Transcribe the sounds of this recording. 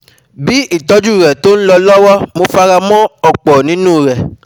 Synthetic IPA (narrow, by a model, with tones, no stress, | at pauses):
bi˦i˦˨tɔ˧˦d͡ʒu˦˨ɾɛ˨to˦n̩˦lɔ˧lɔ˦wɔ˦mo˧fa˧ɾa˧mɔ̃˦ɔ˨k͡pɔ˨nĩ˨˦nũ˦˨ɾɛ˨